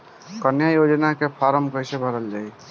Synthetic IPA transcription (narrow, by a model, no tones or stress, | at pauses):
kənjajod͡ʒnakepʰaɾəmkəjsebʱəɾəld͡ʒaːj